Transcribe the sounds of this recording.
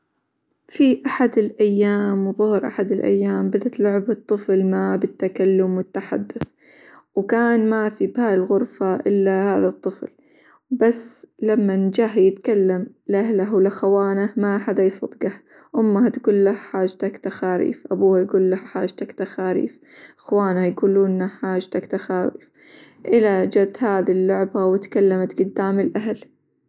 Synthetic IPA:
fiʔaħad̪ɪlʔajːaːmwðˤʊhɾʔaħad̪ɪlʔa̰jːaːmbad̪at̪lʊʕɪbɨt̪ˤːɨflmabɪt̪ːakalːʊmwɪt̪ːaħa̰d̪ːʊθ | wkaːnmafibaːɾɪlɣʊɾfaʔɪlːahaːðat̪ˤːɨfl | basːlamːand͡ʒaːɦjɪt̪kalːam | lʔahlaɦwlʔaxawaːnamaʔħad̪ajsˤɑd̪ɡah | ʔʊmːahat̪ɡuːllahħaːd͡ʒt̪akt̪axaːɾḭːfʔabuːhajɡuːlːahħaːʒt̪akt̪axaːɾḭːf | ʔaxwaːnhajɡuːluːnːaħaːʒt̪akt̪axaːɾḭːf | ʔɪlad͡ʒad̪haːðilːʊʕbawɪt̪kalːamat̪ɡʊd̪ːaːmɪlʔaɦal

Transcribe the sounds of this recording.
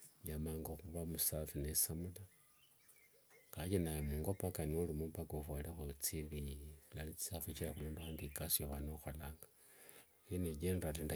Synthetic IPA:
jamaŋɡaxuβamusafinesamula | kaɟinajemuŋɡopakaniolimumpaɡofwalexot͡sililalit͡si̥safit͡ʃilaxulonduaːndikasjoβanoxalaːŋɡa | ineɟenratinda

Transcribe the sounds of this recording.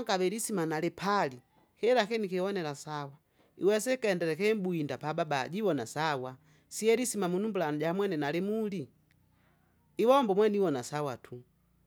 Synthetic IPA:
aɡaβɛɾisimanalɛpʰali | hɛlakɛnikɛwɔnɛlasawa | ḭwɛsɛkɛndɛɾɛkɛmbuindapababa̰ɟiwɔnasawa | siɛɾisimamunumbulanɟamwɛnɛnalɛmuli | iwɔmbɔmwɛniwɔnasawatʰu

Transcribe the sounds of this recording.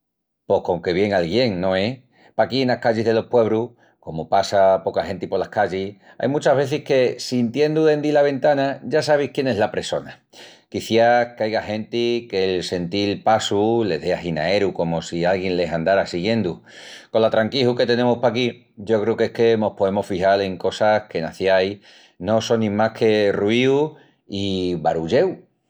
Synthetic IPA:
po̞hkoŋke̞βje̞ŋalɣje̞ŋnõ̞e̞ | pakienakaʝiɦðe̞lo̞hpwe̞β̞ɾuh | ko̞mopasapo̞kahẽ̞nt̪ipo̞ɾlahkaʎih | a̰jmut͡ʃaɦβ̞e̞θihke̞sint̪je̞nd̪uðe̞nd̪ilaβ̞e̞nt̪anaɟ͡ʝasaβ̞ihkje̞ne̞ɦlapɾe̞so̞na | kiθjakeajɣahe̞nt̪ike̞lse̞nt̪ilpasule̞̰ðeaɦina̰e̞ɾuko̞mo̞sialɣje̞nle̞sand̪aɾasiɣje̞nd̪u | ko̞nlat̪ɾaŋkihuke̞t̪e̞ne̞muhpaki | ɟ͡ʝo̞kɾeuke̞hke̞no̞hpo̞emofihale̞ŋko̞sahke̞naθjaj | no̞so̞nːĩmakʰe̞ruiu | iβaɾuʎe̞w

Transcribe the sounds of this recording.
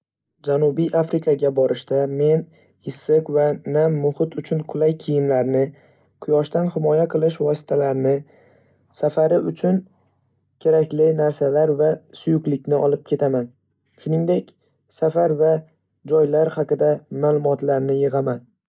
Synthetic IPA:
d͡ʒanubijʔafɾɪkʰaɡʲabɒɾʔɪʃt̪ame̞n | ɪsːɨqvanamːʊhɪt̪ʰʊt͡ʃʰʊnqʰʊlˠajkʲʰijɪmlaɾnɪ | qʰʊjɒʃt̪anhɪmɒjaqʰɨlˠɪʃvɒsɪ̥t̪ʰalaɾnɪ | safaɾɪʊt͡ʃʰʊn | kʲʰe̞ɾakʲlɪnaɾsalaɾvasʊjʊklɪkʲnɪʔɒlˠɪp̚kʲʰe̞t̪ʰaman | ʃʊnɪŋd̪e̞kʲ | safaɾva | d͡ʒɒjlaɾhaqʰɨd̪amaːlˠʊmɒt̪laɾnɪjɨʁaman

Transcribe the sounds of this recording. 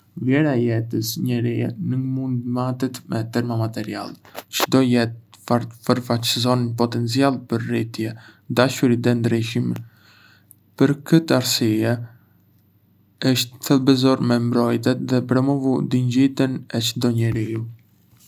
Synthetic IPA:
vjɛɾaɛjɛt̪əsɲəɾiɛnumund̪mat̪ɛt̪mɛt̪ɛɾmamat̪ɛɾia̰lˠt͡ʃəd̪ɔjɛt̪fəɾfat͡ʃzɔnpɔt̪ɛnt͡sialˠpəɾrit̪jɛd̪aʃuɾid̪ɛnd̪ɾiʃim | pəɾkət̪əaɾsiɛ | əʃt̪θɛlˠbɛzɔɾmɛmbɾɔjt̪ɛt̪ðɛpɾɔmɔvud̪iɲd͡ʑit̪ənɛt͡ʃəd̪ɔɲəɾiu

